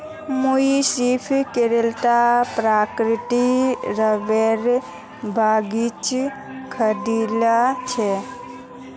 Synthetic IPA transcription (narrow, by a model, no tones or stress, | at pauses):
muisipʰkeɾelt̪apɾaːkɾɪt̪iɾəʋeɾ | bʱaːɡit͡ʃ | kʰəd̪ilat͡ʃʰe